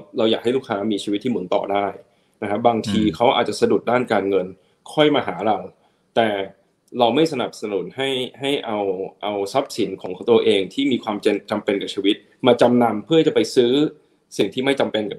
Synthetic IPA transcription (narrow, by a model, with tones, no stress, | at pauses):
ɾa˧wjaː˨˩k̚ha˥˩jlu˥˩kʰːaː˦˥miː˧t͡ɕʰiː˧wt̪ʰːiː˥˩mu˩˦nt̪ɔ̰ː˨˩daː˥˩j | na˦˥kʰa˦˥baː˧ŋt̪ʰiː˧kʰa˦˥wʔa̰ː˨˩t̪̚t͡ɕa˨˩sa˧du˨˩t̪̚daː˥˩nkaː˧nŋɤ˧n | kʰɔ˥˩jmaː˧ɦaː˩˦ɾa˧w | t̪ɛː˨˩ | ɾa˧wma˥˩jsa˧na˨˩p̚sa˧nu˩˦nha˥˩jha˥˩jʔa˧wʔa˧wsa˦˥p̚si˩˦nkʰɔː˩˦kʰa˩˦wt̪u˧ɐʔeː˧ŋt̪ʰiː˥˩miː˧kʰwaː˧mt͡ɕe˧nt͡ɕa˧mpe˧nka˨˩pt͡ɕʰiː˧wi˦˥t̪̚ | maː˧t͡ɕa˧mna˧mpʰɯ˥˩˥t͡ɕa˨˩pa˧jsɯː˦˥ | si˨˩ŋt̪ʰiː˥˩ma˥˩jt͡ɕa˧mpe˧nka˨˩